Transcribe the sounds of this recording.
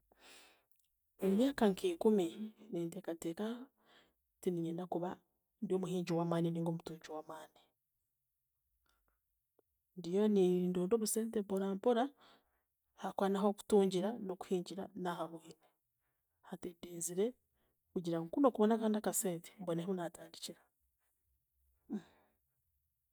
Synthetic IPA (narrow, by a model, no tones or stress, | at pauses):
emjaːkaŋkʰiːkuminiːntekateːka | tiniɲeːnakuβa | ndio̞ːmuhiːɲɟiwaːmaːniniːŋɡo̞ːmutuːɲɟiwaːmaːni | ndijo̞niiːndoːndo̞ːβuse̞ːntempoɾaːmpoɾa | hakwaːnaɦo̞ku̥tuːɲɟiɾano̞ku̥hiːɲɟiɾanaɦamuhini | hatedeːziɾe̞ | kuɟiɾaŋkuno̞ːkuβonakaːndakase̞ːnte̥mboneheunataːndiciɾḁ